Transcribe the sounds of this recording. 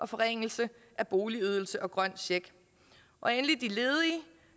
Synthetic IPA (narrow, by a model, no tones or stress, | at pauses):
ʔɒ̽fɒ̽ʁeŋ̰l̩sə | ʔæb̥o̝ːliyð̞ˠl̩səʔɒ̽ɡ̥ʁɶn̰ɕeɡ̥ | ʔɒ̽enlid̥ile̝ːð̞ˠi